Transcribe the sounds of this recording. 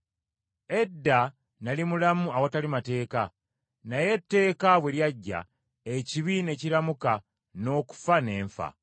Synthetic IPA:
e̞dːa | nalimulamuawatalimate̞ːka | naje̞tːe̞ːkaβwe̞ljaɟːa̰ | eciβine̞ciɾamuka | no̞ːku̥fane̞ːɱfa̰

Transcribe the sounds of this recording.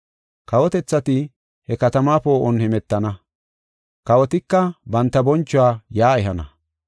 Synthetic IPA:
kɐwɔt̪ɛt͡sːɐt̪ɪ | hɛkɐt̪ɐmaːpo̞ːʔɔnhɛmɛt̪ːɐnɐ | kɐwɔt̪ɪkːɐbɐnt̪ːɐbɔnt͡ʃːʊwaːjaːɛɦɐnɐ̰

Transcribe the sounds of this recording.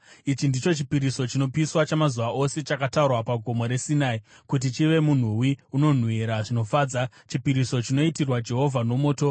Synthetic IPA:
it͡ʃindit͡ʃo̞t͡ʃipiɾiso̞t͡ʃino̞piswat͡ʃamazuʋaʔo̞se̞t͡ʃakataurwapaɡʱo̞mo̞ɾe̞sinai | kut̬it͡ʃiʋe̞mun̤uwiuno̞n̤wiɾaʐino̞faːd͡za | t͡ʃipiɾiso̞t͡ʃino̞itirwad͡ʒe̞ɦo̞vʱano̞mo̞ːto̞

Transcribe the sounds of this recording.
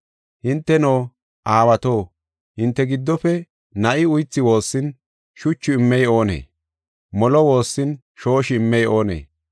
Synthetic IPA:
hɪnt̪ːɛnoː | ʔaːwɐt̪oː | hɪnt̪ːɛɡɪd̪ːɔpɛ | nɐʔɪʊjt͡sːɪwo̞ːsːɪn | ʃʊt͡ʃːʊɪmːɛjo̞ːnḛː | mɔlɔwo̞ːsːɪn | ʃo̞ːʃɪɪmːɛjo̞ːnḛː

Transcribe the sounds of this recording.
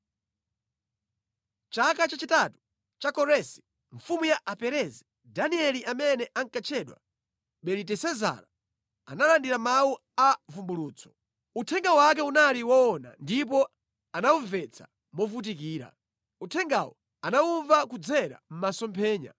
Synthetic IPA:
t͡ʃakat͡ʃat͡ʃitatu̥ | t͡ʃakɔɾɛsi̥ | ɱfumujaʔapɛɾɛzi | daniɛliʔamɛnɛʔaŋkat͡ʃʰɛɗwa̰ | ɓɛlitɛsɛza̰ɾa | a̰nalandiɾamawu | avumbuluːt͡sʰɔ̥ | utʰɛŋɡawak̬ɛunaliwaːna̰ndip̬ɔ | anauɱvɛt͡sʰḁ̰ | mɔvut̬ik̬iːɾa̰ | utʰɛŋɡa̰wɔ | anauɱvakud͡zɛɾa̰m̩masɔmpʰɛːɲa̰

